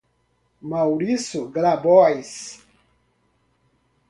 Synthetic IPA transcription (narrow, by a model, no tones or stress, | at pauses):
mawɾisuɡlabɔajs